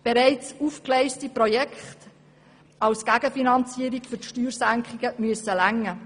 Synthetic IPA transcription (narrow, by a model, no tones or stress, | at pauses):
b̥eɾɛɪt͡suːfklɛɪstiprɔjɛkχt | ɑwsɡ̥æɡəfinɑnt͡siːəɾikfʏtʃtyːɾsæŋkʰχɪɡəmyəsəlæŋːə